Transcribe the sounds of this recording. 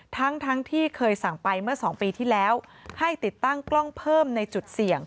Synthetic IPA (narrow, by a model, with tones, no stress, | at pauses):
t̪ʰa˦˥ŋt̪ʰa˦˥ŋt̪ʰiː˥˩kʰɤː˧jsa˨˩ŋpa˧jmɯ˥˩ɐsɔː˩˦ŋpiː˧t̪ʰiː˥˩lɛː˦˥wha˥˩jt̪i˨˩t̪ːa˥˩ŋklɔ˥˩ŋpʰɤː˥˩mna˧jt͡ɕu˨˩t̪̚si˨˩əŋ